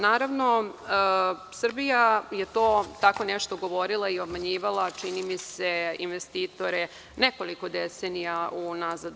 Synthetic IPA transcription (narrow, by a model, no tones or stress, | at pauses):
naːɾaʋno̞ə | sr̩bijaje̞t̪o̞ːt̪ako̞neʃt̪o̞ɡo̞ʋo̞ɾilˠaio̞bmaɲiːʋalˠat͡ʂinimise̞inʋest̪iːt̪o̞ɾe̞ | neko̞liko̞d̪esenijaunazad̪u